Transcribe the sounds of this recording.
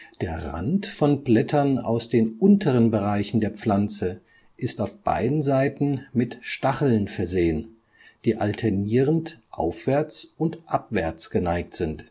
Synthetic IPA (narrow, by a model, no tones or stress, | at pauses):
d̥eːɐʁa̰ntfɔnblɛtʰɐna̰ʊsd̥eːnʔʊntʰəʁ̞ənbəʁaɪçn̩deːɐp͡flant͡sə | ʔɪstaʊfb̥a̰ɪdn̩zaɪtn̩mɪtʃtaχl̩nfɛɐzeːən | d̥iːʔaltʰɛɐniːʁəntʔa̰ʊfv̥ɛɐt͡sʊntʔapv̥ɛɐt͡sɡ̥ənaɪk̚tz̥ɪnt